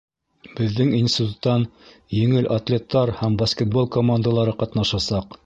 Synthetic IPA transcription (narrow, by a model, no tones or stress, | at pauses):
b̥ɘ̆ðːɘŋinsʲt̪ʲɪt̪ut̪ːɑn | jɘ̆ŋɘlʔat̪lʲe̞t̪ːɑɾhæmbɐskʲet̪̚bo̞lˠkomand̪alˠɑɾɤqɑt̪nɑʃɑsɑq